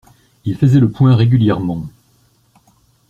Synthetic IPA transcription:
ilfəzɛləpwɛ̃ʁeɡʲyljɛʁmɑ̃

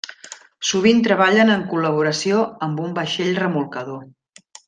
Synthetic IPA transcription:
suβint̪ɾəβaʎənəŋkuləβ̞uɾəsioəmbumbəʃeʎrəmulˠkəðo

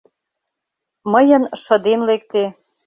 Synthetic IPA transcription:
mɤjə̆nʃɤ̆d̪emlek̚t̪e

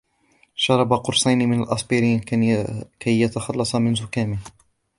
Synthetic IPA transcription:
ʃɑɾˤɑbaqʊɾˤsˤɑjnmɪnalʔɑsˤbiɾiːn | kʰæjːat̪ɑxɑlːɑsˤɑmɪnzʊkaːmɪh

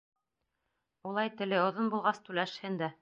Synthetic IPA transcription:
ulˠɑjt̪ɘ̆lɘŏðonbulˠʁɑst̪ʉlæʃhɘnd̪æ

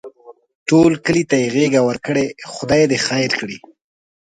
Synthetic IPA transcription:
ʈolkəlit̪ajeɣeɡawəɾkəɽexʊd̪ɑjed̪exajɾkɽi

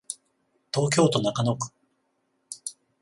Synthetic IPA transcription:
t̪o̞ːk̬ʲo̞ːt̪o̞nakano̞kɯ̥

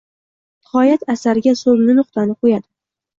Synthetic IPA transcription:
ɪχɒjat̪ʰasaɾɪɡʲasobnɪnʊqt̪anɪqʰojad̪ɪ

